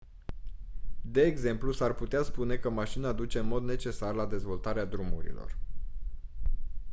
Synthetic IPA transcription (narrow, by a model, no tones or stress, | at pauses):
d̪e̞ːɡze̞mplusarput̪easpune̞kəmaʃinad̪ut͡ʃe̞ɨnmo̞d̪ne̞t͡ʃe̞sarlad̪e̞zvo̞lt̪aɾead̪ɾumṵɾḭlo̞̰r